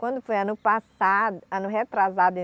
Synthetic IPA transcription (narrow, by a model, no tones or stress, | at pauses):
kwɐ̃nd̪ʊfojɐ̃nʊpasaɐ̃nʊɦet̪ɾazad̪ʊẽ